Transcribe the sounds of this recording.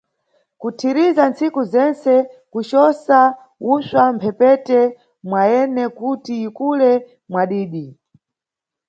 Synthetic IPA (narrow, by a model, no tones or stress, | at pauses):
kutʰiɾizant͡sikuzɛnt͡sɛkut͡ʃɔsa | uswampʰɛpɛtɛ | mwaɛnɛkutiːkulɛ | mwaɗiːɗi